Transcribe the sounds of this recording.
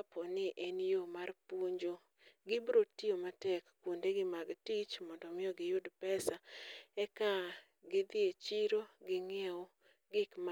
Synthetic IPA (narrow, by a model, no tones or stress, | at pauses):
pɔnɪʔenjomarpoɲd͡ʒo | ɡɪbɾotːiomatɛkː | wondeɡɪmaɡtit͡ʃmɔndɔmɪjɔɡɪjʊdpɛsaɛka | ɡɪd̪ɪet͡ʃiɾoɡɪŋɛo | ɡɪkm